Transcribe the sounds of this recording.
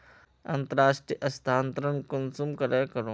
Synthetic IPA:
ɐ̃nt̪əɾaːʃʈɾiʔɐst̪ʰaːnt̪ɾənkʊnsumkɐɾakɐɾo

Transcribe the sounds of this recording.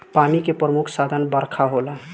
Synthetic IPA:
panikepɾəmukʰsad̪ʱənbəɾkʰaɦola

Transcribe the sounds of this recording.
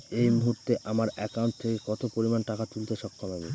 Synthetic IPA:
ejmuɦuɾt̪eʔamaɾɛkawɳʈ̚t̪ʰekekɔt̪opoɾimanʈakat̪ult̪eʃɔkʰːomabi

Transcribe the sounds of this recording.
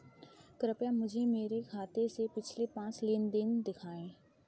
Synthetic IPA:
kɾəpjãmʊd͡ʒʱemeːɾekʰaːt̪esepɪt͡ʃʰlepãːt͡ʃlɪnd̪ɪnd̪ɪkʰaːẽː

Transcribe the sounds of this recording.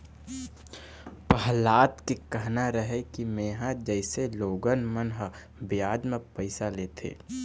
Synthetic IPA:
pəɦlaːt̪kekəɦnaɾəɦekimeːɦãd͡ʒəɪseloːɡənmənɦə | bjaːd͡ʒmẽpəɪsaleːt̪ʰḛː

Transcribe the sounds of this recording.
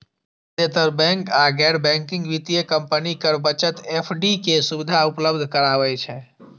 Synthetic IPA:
t̪et̪əɾbɛ̃ŋkaɡɛɖbɛ̃ŋkɪ̃ŋɡʋit̪ijəkəmpənikəɾbət͡ʃət̪epʰɖikesubid̪ʱaupləbd̪ʱkəɾaʋɛt͡ʃʰɛ

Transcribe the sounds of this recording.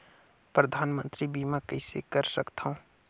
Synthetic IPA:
pɾɐd̪ʱaːnmə̃nt̪ɾibʱiːmãkɐɪsḛkɐɾsɐkt̪aɦũː

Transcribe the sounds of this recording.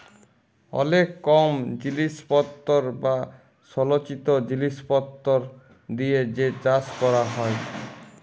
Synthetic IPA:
ɔ̰lekːɔmd͡ʑiliʃpɔt̪ːoɾba | ʃɔlot͡ɕit̪od͡ʑiliʃpɔt̪ːoɾ | d̪ied͡ʑet͡ɕaskɔɾaɦɔe

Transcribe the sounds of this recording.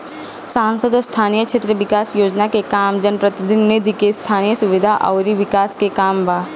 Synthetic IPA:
sãːnsəd̪ɔst̪ʰaːnijəkʃʰet̪ɾəʋɪkaːsjoːd͡ʒnakekaːmd͡ʒənpɾɐt̪ɪd̪ɪnːed̪ʱikest̪ʰaːnijəsʊʋɪd̪ʱaʔɐ̰ːɾiʋɪkaːskekaːmbʱaː

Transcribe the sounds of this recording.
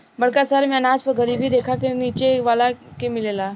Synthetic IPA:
bəɽ̤kasaɾmanad͡ʒpəɾɡʱəɾiːbʱiːd̪ekʰakeniːt͡ʃeʋalakemɪlela

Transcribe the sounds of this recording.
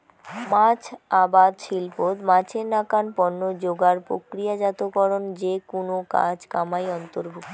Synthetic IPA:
mãt͡ɕʰabad̪ʃilpot̪mãt͡ɕʰenakanpɔnːod͡ʑoɡaɾpɾo̰kɾijad͡ʑat̪okɔɾond͡ʑekonoka̰d͡ʑkamajɔnt̪oɾbʱuk

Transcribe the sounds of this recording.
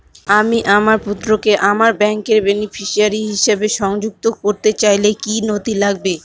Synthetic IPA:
amiʔamaɾput̪ːɾokeʔamaɾbɛŋkeɾbenifʰiʃiaɾiɦiʃebeʃɔŋd͡ʑuk̚t̪okoɾt̪et͡ɕajlekinot̪ilaɡbe

